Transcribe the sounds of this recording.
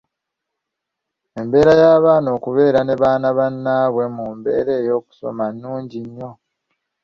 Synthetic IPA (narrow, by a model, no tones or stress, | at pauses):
e̞mbe̞ːɾajaːβaːno̞ːkuβe̞ːɾane̞βaːnaβanːaːβwe̞muːmbe̞̰ːɾe̞ːjo̞ːku̥so̞̰manːuːɲɟiɲːo̞